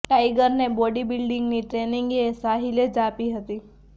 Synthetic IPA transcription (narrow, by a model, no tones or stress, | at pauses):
ʈaːɪɡəɾnebɔːɖibɪlɖɪ̃ŋɡniʈɾeːnɪ̃ŋɡesaːɦiled͡ʒaːpiɦət̪iː